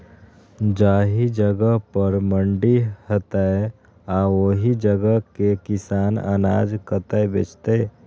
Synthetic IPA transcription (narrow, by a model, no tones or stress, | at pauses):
d͡ʒaːɦid͡ʒəɡəpəɾməɳɖihət̪ae | aoɦid͡ʒəɡəkekɪsaːnə̰na̰ːd͡ʒkət̪əebḛːt͡ʃt̪e